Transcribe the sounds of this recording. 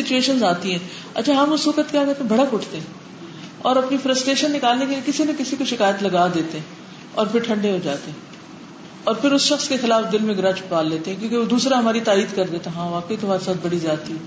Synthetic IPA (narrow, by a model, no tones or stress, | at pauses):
sɪt͡ʃueːʃənzaːt̪iɦɛ̃ː | ɐ̰tːt͡ʃʰaɦɐmʊsʋɐkət̪kjaːkɐɾt̪ẽbʱɐɽakʊʈʰt̪eɦɛ̃ | ɔːɾɐpnifɾəsʈɾeːʃənːɪkaːlnekeliekɪsinɐkɪsikoʃɪkaːjət̪lɐɡaːd̪eːt̪eɦɛ̃ː | ɔ̰ːɾpʰɪɾʈʰɐ̃ɳɖeɦod͡ʒaːt̪eɦɛ̃ː | ɔːɾpʰɪɾʊsʃɐxskexɪlaːfd̪ɪlmẽɡɾãːt͡ʃpaːlːeːt̪ẽɦɛ̃kjõːkeʋod̪uːsɾaɦɐmaːɾit̪aːiːd̪kɐɾd̪eːt̪aɦãːʋaːkeɦit̪ʊɐmaːɾesaːt̪̚ʰbɐɽizjaːt̪iɦɛː